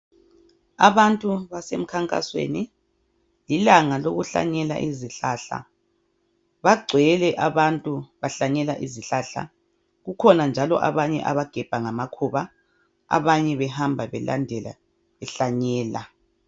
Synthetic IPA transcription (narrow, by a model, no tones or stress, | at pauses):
a̰βantʼuβasem̩kʰaŋkʼa̰swḛni | lilaŋaloɣuɬa̰ɲɛla̰ʔiziɬaɬa̰ | βaɡ͡ǀʱwɛlɛʔaβantʼuβaɬaɲɛlaʔiziɬaɬa̰ | ɣukʰɔnand͡ʒʱalɔ̰ʔaβaɲɛʔa̰βaɡ̥ʱɛb̥ʱaŋamakʰuβa | a̰βaɲɛβɛhambʱaβɛla̰ndʱɛla̰ | βɛɬaɲɛːla